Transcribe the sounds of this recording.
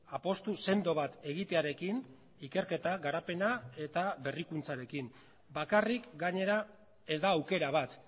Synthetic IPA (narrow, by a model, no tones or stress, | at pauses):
apo̞st̪use̞nd̪o̞βat̪e̞ɣ̞it̪e̞aɾe̞kin | ike̞ɾke̞t̪aɣaɾape̞nae̞t̪aβe̞rikunt͡saɾe̞kin | bakarikɡaɲe̞ɾa | e̞zd̪aːwke̞ɾaβ̞at̪